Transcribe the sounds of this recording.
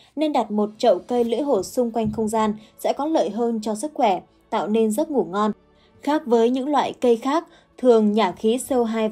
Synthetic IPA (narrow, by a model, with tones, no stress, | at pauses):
ne˧nɗa˨˩t̚mo˨˩t̚t͡ɕə̰˧˨wkə˧jlɨ̰˧˥əjɦo˧˩sʊ˧ŋ͡mkwa˧jŋ̟xə˧wŋ͡mzaː˧nsɛ̰˧˥kɔ˨˦lə̰ː˧˨jɦəː˧nt͡ɕɔ˧sɨ˦˥k̚xwɛ˧˩ | t̪a̰ː˧˨wne˧nzə˦˥t̚ŋu˧˩əŋɔ˧n | xaː˦˥k̚vəː˨˦jɲɨ̰˧˥ŋlwa̰ː˧˨jkə˧jxaː˦˥k̚ | t̪ʰɨ˨˩əŋɲaː˨˩xi˨˦sə˧wɦaː˧j